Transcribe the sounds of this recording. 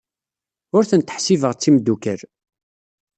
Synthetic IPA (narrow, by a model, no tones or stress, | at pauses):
ʊɾθənt̪ə̥ħsivəʁt͡sːimd̪ːukəɾ